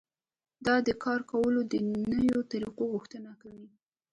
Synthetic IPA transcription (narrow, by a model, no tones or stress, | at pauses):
d̪ɑd̪əkɑɾkawəlod̪ənəjot̪aɾiqoɣʊxt̪ənakawi